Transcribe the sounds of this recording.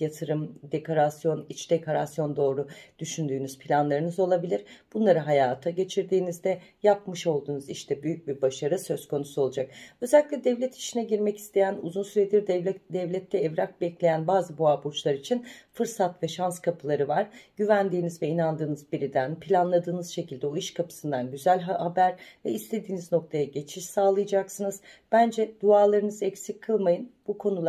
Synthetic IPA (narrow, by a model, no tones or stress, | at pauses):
jat̪ʰɯɾɯmd̪e̞kʰo̞ɾasjo̞nit͡ʃd̪̥ekʰo̞ɾasjo̞nd̪o̞ːɾud̪̥yʃynd̪yːnyz̥pʰilʲanlˠaɾɯnɯzo̞lˠabilʲiɾ̥b̥unlˠaɾɯɦajaːt̪ʰaɟe̞t͡ʃʰiɾd̪iːnizd̪ɛjap̚mɯʃo̞lˠd̪uːnuziʃt̪ʰɛbyjyc̚bibaʃaɾɯsø̞z̥kʰo̞nusuo̞lˠud͡ʒak̚ø̞zɛlʲːiclʲɛd̪ɛvlʲɛt̪ʰi̥ʃinɛɟiɾmɛci̥st̪ʰe̞jænuzunsyɾed̪iɾd̪d̪ɛvlʲɛt̪ʰːɛːvɾak̚bɛclʲejænbaːzɯbuabuɾt͡ʃlˠaɾit͡ʃʰinfɯɾsat̪vɛʃanskʰapʰɯlˠaɾɯvaɾɟ̥yvænd̪iːnizvɛinand̪ɯːnɯzbiɾid̪ænpʰilʲanlˠad̪ɯːnɯz̥ʃe̞cʰilʲd̪ɛo̞iʃkʰapʰɯ̥sɯnd̪anɟyzælʲɦahabæɾvɛist̪ʰe̞d̪iːnizno̞k̚t̪ʰajaɟe̞t͡ʃʰiʃsaːlˠɯjad͡ʒaksɯnɯz̥ | b̥ænd͡ʒɛd̪̥uaːlˠaɾɯnɯzɛcsicʰːɯlˠmajɯnbukʰo̞nulˠ